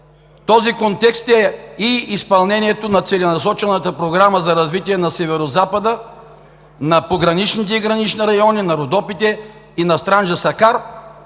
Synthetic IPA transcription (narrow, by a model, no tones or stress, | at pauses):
t̪ɔzikont̪ɛkst̪ɛiispɐlˠnɛnʲiɛt̪onɐt̪sɛlɛnɐsɔt͡ʃɛnət̪əpɾoɡɾaməzɐɾɐzvit̪iɛnɐsɛvɛɾozapəd̪ə | nɐpoɡɾɐnit͡ʃnit̪ɛiɡɾɐnit͡ʃniɾɐjɔninɐɾod̪ɔpit̪ɛ | inɐst̪ɾanʒɐsɐkaɾ